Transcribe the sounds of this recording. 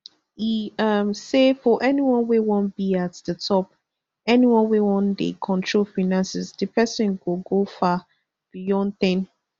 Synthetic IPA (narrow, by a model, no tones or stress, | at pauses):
iʌmsefɔʔɛniwɔ̃nwewɔ̃nbiatðətʰɔp̚ | ɛniwɔ̃nwewɔ̃ndḛkʰɔ̃ntʰɹolfanãnsɛsdəpʰɛsɪ̃nɡoɡofa | b̥ijɔ̃nθɪ̃n